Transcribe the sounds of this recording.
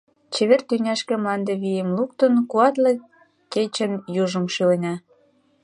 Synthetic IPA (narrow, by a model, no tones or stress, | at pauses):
t͡ɕeβert̪ynʲæʃkĕmɑnd̪ĕβijemluk̚t̪ənkuɑt̪le | ket͡ɕə̆njuʒə̆mʃylenʲɑ